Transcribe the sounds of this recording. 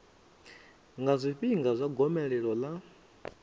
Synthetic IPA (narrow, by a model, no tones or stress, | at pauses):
ŋɡazʷiɸiŋɡazʷaɡɔmɛɺɛɺɔla